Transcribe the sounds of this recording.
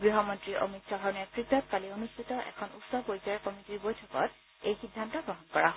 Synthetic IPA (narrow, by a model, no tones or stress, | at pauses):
ɡɹiɦɔmɔntɹiʔo̰miksɔɦɔɹnakɹidʱɔt̚palionustʰitɔʔɛ̰kʰɔnutsɔbojzaɹkɔmitiɹbojtʰɔkɔ̰t̚ | ejxidʱːantɔɡɔɦɔnkɔɹaɦ